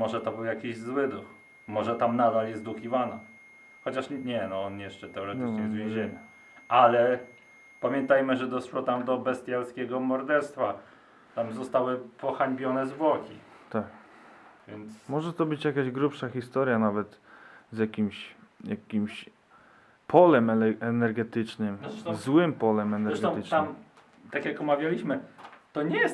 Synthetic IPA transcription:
mɔʐɛt̪ɔbɘwjakʲiʑzwɘd̪ux | mɔʐɛt̪amnad̪aljɛst̪d̪ukʲivana | xɔt͡ɕaʂɲɛnɔɔnjɛʂt͡ʂɛt̪ɛɔɾɛt̪ɘt͡ʂɲɛzzvʲjɛ̃w̃ʑeɲa | alɛ | pamʲjɛnt̪ajmɘʐɛd̪ɔsʂwɔt̪amd̪ɔbɛst̪ʲjalskʲɛɡɔmɔɾd̪ɛɾst̪fa | t̪amzɔst̪awɘpʰɔxaɲbʲjɔnɛzvwɔkʲḭt̪ak | vʲjɛnt̪smɔʐɛt̪ɔbɘt͡ɕjakaʑɡɾupʂaxʲist̪ɔɾjanavɛt̪zjakʲimɕjakʲimɕ | pʰɔlɛmɛnɛɾɡɛt̪ɘt͡ʂnɘmɛzwɘmpɔlɛmɛnɛɾzɛʂɡ̪ɔ̃t̪am | t̪akjakɔmavʲjalʲiɕmɘt̪ɔɲɛjɛs

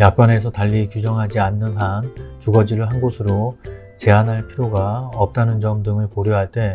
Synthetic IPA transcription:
jak̚k͈wane̞sʰʌtaʎːikjud͡ʑʌŋɦad͡ʑianːɯnɦant͡ɕuɡʌd͡ʑiɾɯɭɦanɡosʰɯɾo | t͡ɕe̞anɦaɭpʰiɾjoɡaʌp̚t͈anɯnd͡ʑʌmdɯŋɯɭpoɾjoɦaɭt͈e̞

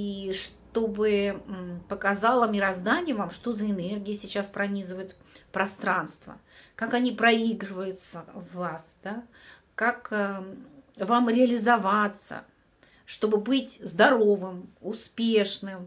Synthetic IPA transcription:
iʂt̪o̞bɨ | pəkɐzalˠəmʲɪɾɐzd̪anʲɪjəvamʂt̪o̞zəɪnerɡʲɪɪsʲɪt͡ɕaspɾɐnʲizɨvəjʊt̪ | pɾɐst̪ɾanst̪və̰kakɐnʲipɾɐiɡɾɨvəjʊt̪səvːasd̪̥a | kakː | vamɾʲɪɐlʲɪzɐvat̪sə̰ | ʂt̪o̞bɨbɨtʲzd̪ɐɾo̞vɨmʊspʲeʂnɨm

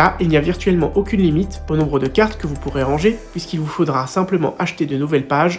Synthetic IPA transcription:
aʔilnijaviʁt̪ɥɛlmɑ̃ʔokʲynlimit̪onɔ̃bʁəd̪əkaʁt̪kəvupuʁeʁɑ̃ʒeɥiskilvufod̪ʁasɛ̃pləmɑ̰̃ʔaʃt̪ed̪ənuvɛlpaʒ

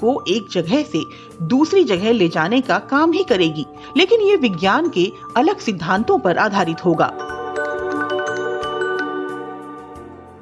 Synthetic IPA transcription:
koʔeːk̚d͡ʒɐɡʱɛɦse | d̪uːsɾid͡ʒɐɡɛɦleːd͡ʒaːnekakaːmɦikɐɾeːɡiː | leːkɪnjeʋɪɡjaːnke | ɐləɡsɪd̪ʱːãːnt̪õpɐɾʔaːd̪ʱaːɾɪt̪ɦoːɡa̰ː

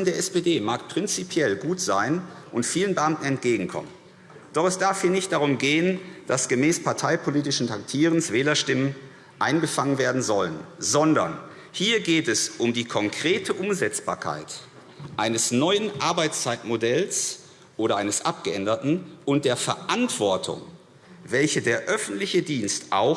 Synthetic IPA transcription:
n̩deːɐɛspeːdeːmaːkpʁ̥ɪnt͡sipʰjɛlɡuːtz̥aɪnʔʊntfiːlənbəʔamtn̩ɛntɡ̥eːɡŋ̩kʰɔ̰mən | d̥ɔχɛsd̥aɐfhiːɐnɪçtd̥aʁ̞ʊmɡeːənd̥asɡ̥əmɛːspʰaɐtʰaɪpʰoliːtɪʃn̩tʰak̚tʰiːʁənsv̥ɛːlɐʃtɪmən | ʔaɪnɡəfaŋənveːɐdn̩zɔlənzɔndɐ̰n | hiːɐɡeːtɛsʔʊmdiːkʰɔŋkʁ̥eːtʰəʔʊmzɛt͡sb̥a̰ːɐkʰa̰ɪt | ʔaɪnəsnɔʏənʔaɐbaɪt͡st͡saɪtmodɛls | ʔoːɾɐʔaɪnəsʔa̰p̚ɡ̥əʔɛndɐtn̩ʔʊnt̚d̥eːɐfɛɐʔantv̥ɔɐtʰʊ̰ŋ | vɛlçədeːɐʔœfn̩tlɪçədiːnstʔa̰ʊ

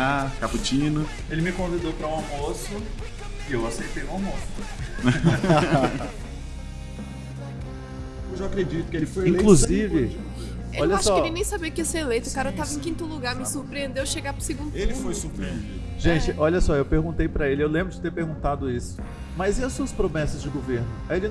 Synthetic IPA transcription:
akaput͡ʃĩnʊ | elɪmɪkõvid̪owpɾɐũamosʊ | ɪewasejt̪ejʊ̃amosʊ | a | ewʒaakɾed͡ʒit̪ʊkɪelɪfojẽlẽkluzivɪ | eɔʎɐaʃsʃɔelɪnẽj̃sabiɐkɪeseelejt̪ʊkaɾɐewt̪avɐẽkĩnt̪ʊluɡaɾmɪsuɾpɾiẽnd̪ewʃeɡapɾʊseɡũnd̪ʊelɪfojsuɾpɾiḛ̃d͡ʒ̪ḭd̪ʒẽt͡ʃɪʔɔʎɐsɔewpeɾɡũt̪ejpɾɐelɪewlẽmbɾʊd͡ʒɪt̪eɾpeɾɡũnt̪ad̪ʊisʊ̥ | mɐjziɐsuɐspɾomɛsɐzd͡ʒɪɡoveɾnʊɐelɪ

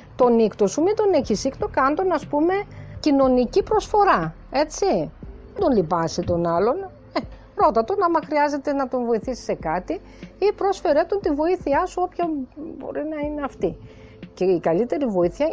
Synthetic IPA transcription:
t̪o̞nikt̪o̞sumind̪oneçisikt̪o̞kɐnd̪onɐspume̞cino̞nicipɾo̞sfo̞ɾɐ | e̞t͡si | end̪o̞nlipɐsit̪o̞nɐlo̞n | e | ɾo̞t̪ɐt̪onɐmɐxɾiɐze̞t̪e̞nɐt̪o̞nvo̞iθisi̥se̞kɐt̪i | ipɾo̞sfe̞ɾe̞t̪ont̪ivo̞iθiɐsuo̞pçɐbo̞̰ɾinɐineɐft̪i | ceikɐlit̪e̞ɾivo̞iθiɐ

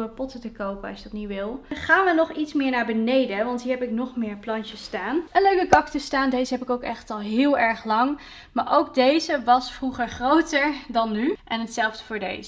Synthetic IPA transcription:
əpɔtətəkowpəɑsjədɑtniʋɪlˠχaːnʋənɔχitsmɪːɹnaːɹbənejdəʋɑntɦiːɹɦɛpɪknɔχmɪːɹplɑnt͡ʃəstaːnʔənløɥkəkɑktəstaːndejzəɦɛpɪkowkɛχtɑlˠɦɪːlˠɛɹχlɑŋ | maːɹʔowk̚dejzəʋɑsfruχəɹχrowtəɹdɑnːyʔɛnɦətsɛlˠvdəvʊːɹdḛjzə

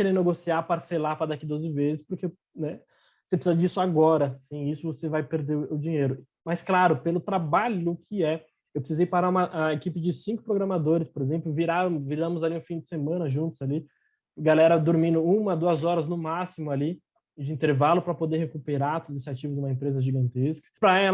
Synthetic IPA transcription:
keɾẽneɡosiapaɾselapɾɐd̪akid̪ozɪvezɪspoɾke | nɛ | osep̬ɾɪsizɐd͡ʒisʊaɡɔɾɐsẽj̃isʊvosevajpeɾd̪eʊd͡ʒĩɲejɾʊ | masklaɾʊpelʊt̪ɾabaʎʊkʰɪɛ | ewpɾɪsizejpaɾaɾũmɐʔaekipɪd͡ʒɪsĩŋkʊ̥pɾoɡɾɐ̃mad̪oɾɪspoɾezẽmplʊviɾaɾ̃mviɾɐ̃mʊzaliũfĩdd͡ʒɪsemɐ̃nɐʒũnt̪ʊz̥ali | ɡalɛɾɐd̪oɾmĩnd̪ʊũmɐd̪uɐzɔɾɐznʊmasimʊali | d͡ʒɪĩnt̪eɾvalʊpɾɐpod̪eɾhekupeɾat̪od̪esɪat͡ʃivɐʊd͡ʒɪũmɐẽpɾezɐʒiɡɐ̃nt̪eskɐ̥pɾɐɛl

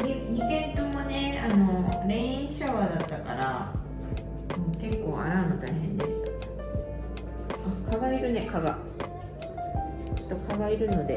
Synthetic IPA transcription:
ɲiɲ̟ikẽ̞nt̪omo̞ne̞ano̞ɾẽ̞ɰ̃ĩɕaβad̪at̪ːaka̰ɾa | moːke̞kːo̞ːa̰ɾaːmɯ̟t̪aiɦẽ̞nd̪e̞sɨ̥t̪ḁ | akaɡaiɾɯ̟ne̞kaɡa | t͡ɕo̥t̪ːokaɡaiɾɯ̟no̞d̪e̞

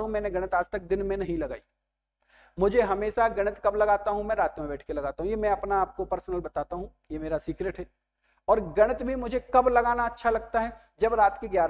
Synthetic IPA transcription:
ũmɛ̃ːneɡɐɽ̃ət̪aːd͡ʒt̪ɐk̚d̪ɪnmẽnɐɦĩlɐɡa̰ːiː | mʊd͡ʒʱeɦɐmeːʃaɡɐɽ̃ət̪kɐblɐɡaːt̪aɦũmɛ̃ːɾaːt̪mẽbɛːʈʰkelɐɡaːt̪aɦũjemɛ̃ɐpnaːp̚kopɐɾsnəlbɐt̪aːt̪aɦũ | jemeːɾasiːkɾeʈɦɛː | ɔːɾɡɐɽ̃ət̪bʱimʊd͡ʒʱekɐblɐɡaːnaɐtːʃʰalɐɡt̪aɦɛ | d͡ʒɐbɾaːt̪kiɡjaːɾ

